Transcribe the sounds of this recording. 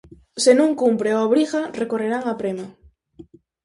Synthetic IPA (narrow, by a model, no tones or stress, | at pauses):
senũŋkumpɾeaoβɾiɣarekoreɾaŋapɾema